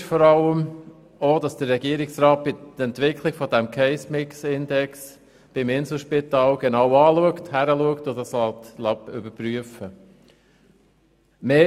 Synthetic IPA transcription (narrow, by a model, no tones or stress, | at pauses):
ʃfɔɾɑləm | oːd̥ɑsd̥ərːɛɡiəɾɪksɾɑːt̚b̥ɪɛntʋɪkʰlɪɡ̥fɔdɛmkʰɛɪsmɪksɪndɛks | b̥ɪmɪnsl̩ʃpɪtɑːlɡ̥enɑʊɑːluəkthæɾəluəktʊdɑslɑtlɑpʏ̰bəɾpɾyəfə | meː